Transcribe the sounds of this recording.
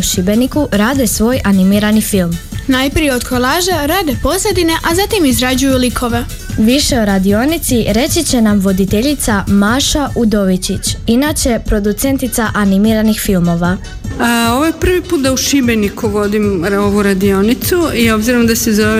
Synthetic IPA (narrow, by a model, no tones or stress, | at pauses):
uʃibenikuɾaːd̪e̞sʋo̞ːjanimiɾanifilˠmnajpɾijeod̪kʰolˠaːʒaɾaːd̪e̞po̞sled̪ine̞ʔazat̪imizɾad͡ʑujulikʰo̞ʋe | ʋiʃe̞oɾad̪io̞nit̪siɾe̞t͡ɕit͡ɕe̞namʋo̞d̪it̪e̞ʎit̪samaːʃaʔud̪o̞ʋit͡ɕit͡ɕinat͡ɕe̞pɾo̞d̪ut̪se̞nt̪it̪saʔanimiːɾanixfilmo̞ʋa | o̞ʋojepr̩ʋipuːt̪̚d̪auʃibenikuʋo̞d̪imoʋuɾad̪io̞nit̪suio̞bziɾomd̪asezoʋe